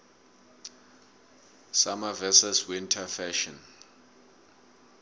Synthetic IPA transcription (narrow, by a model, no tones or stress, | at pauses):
samavɛsɛswintʰafɛʃɔn